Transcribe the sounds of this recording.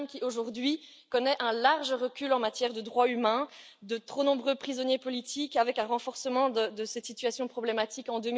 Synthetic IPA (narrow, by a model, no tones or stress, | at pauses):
mkʲioʒuʁd̪ɥi | kɔnɛʔɛ̃laʁʒəʁəkʲylɑ̃mat̪jɛʁd̪əd̪ʁwaymɛ̃ | d̪ət̪χonɔ̃bʁøpχizɔnjepɔlit̪ʰikavɛkɛ̃ʁɑ̃fɔʁsəmɑ̃d̪əd̪əsɛt̪sit̪yasjɔ̃pχɔblemat̪ikɑ̃d̪øm